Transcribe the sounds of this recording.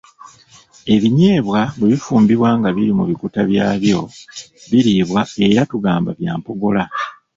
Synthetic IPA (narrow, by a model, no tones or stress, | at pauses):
e̞βiɲeːβwaβeβifuːmbiβwaːŋɡaβiɾimuβikutaβjaːβjo̞βiɾiβwae̞ɾatuɡaːmbaβjaːmpo̞ɡo̞la